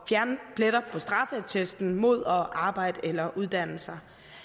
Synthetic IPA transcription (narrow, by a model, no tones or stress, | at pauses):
fjæɐnpʰleɾ̥ɐpʰɒ̽sd̥ʁɑ̈fət͡sʰesd̥n̩mo̝ð̞̰ˠɒ̽ʔɑ̈ːb̥ɑ̈ɪ̰d̥elɐʔuð̞ˠd̥æn̰l̩sɐ